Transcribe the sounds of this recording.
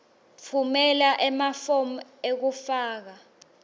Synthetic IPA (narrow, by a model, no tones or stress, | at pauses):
fʰumɛlaʔɛmafom̩ek̬ufaːk̬a